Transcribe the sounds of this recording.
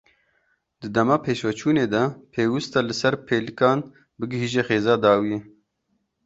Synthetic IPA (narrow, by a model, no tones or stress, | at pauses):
d̪ɨd̪ɐmɑːpʰeːʃwɛt͡ʃʰuːneːd̪ɐpʰeːwɪst̪ɑlɨsɐɾpʰeːlɨkɑːn | bɨɡɨɦiːʒexeːzɑːd̪ɑːwije